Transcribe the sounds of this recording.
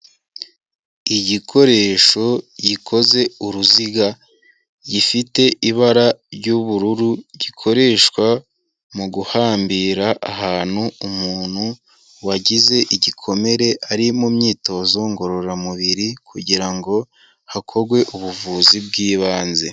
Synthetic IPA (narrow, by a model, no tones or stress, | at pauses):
iɟikʰo̞ɾe̞ːʃo̞ɟikʰo̞ze̞uɾuziɡa | ɟifite̞ʔiβaɾaɾɟuβuɾuɾuɟikʰo̞ɾe̞ʃkwa | muɡuhaːmbiːɾaʔːɦaːn̥huumuːn̥hu | waɟize̞ʔiɟikʰo̞me̞ɾe̞ʔaɾimumɲiːto̞zo̞ŋɡo̞ɾo̞ɾamuβiɾikʰuɟiɾaŋɡo̞ | hakʰo̞ɾɡwe̞ʔuβuvuːzib̚ɡiːβaːnze̞̰